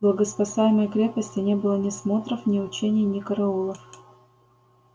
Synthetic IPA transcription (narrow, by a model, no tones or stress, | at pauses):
blˠəɡəspɐsajɪməjkɾʲe̞pəsʲtʲɪnʲe̞bɨlˠənʲɪsmo̞t̪ɾəfnʲɪʊt͡ɕenʲɪjnʲɪkəɾɐulˠəf